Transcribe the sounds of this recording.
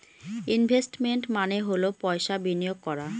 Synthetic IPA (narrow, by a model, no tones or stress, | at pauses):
inbʱesʈmeɳʈmaneɦolopɔeʃabinijoɡ̚kɔɾa